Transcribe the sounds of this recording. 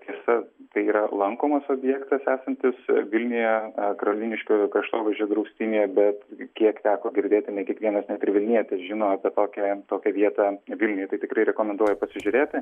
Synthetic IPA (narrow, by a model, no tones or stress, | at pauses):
t̪ʰʲiɛsɐt̪ɐɪiːɾɐlˠɐŋkoːmɐsoːbʲjɛkt̪ɐsæːsɐnʲt̪ʲɪsʋʲɪlʲnʲʊjɛkɐɾɐlʲiːnʲɪʃʲkʲʊkɾɐʃt̪oːʋʲɐʒʲoːd̪ɾɐʊsʲt̪ʲiːnʲɪjɛbʲɛt̪kʲiɛkt̪ʲæːkoːɡʲɪɾʲd̪ʲeːt̪ʲɪnʲɛɪkʲiɛkʋʲiɛnɐsnʲɛt̪ɪɾʋʲɪlʲnʲiɛt̪ʲesʒʲɪnoːɐpʲɛt̪oːkʲɛt̪oːkʲɛʋʲiɛt̪ɑʋʲɪlʲnʲʊjɛt̪ɐɪt̪ʲɪkɾɐɪɾʲɛkoːmʲɛnd̪uɔjɛpɐsʲɪʒʲʊɾʲeːt̪ʲɪ